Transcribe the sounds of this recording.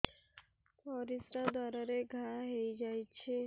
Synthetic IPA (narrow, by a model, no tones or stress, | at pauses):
pɔɾisɾad̪ʱaɾaɾeɡʱaɦejd͡ʒajt͡ʃʰe